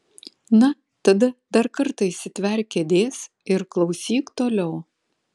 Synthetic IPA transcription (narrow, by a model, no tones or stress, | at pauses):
nɐ | t̪ɐd̪ɐd̪ɐɾkɐɾt̪ɐɪsʲɪt̪ʲʋʲɛɾʲkʲɛd̪ʲeːs | ɪɾklˠɒʊsʲiːkt̪oːlʲɛʊ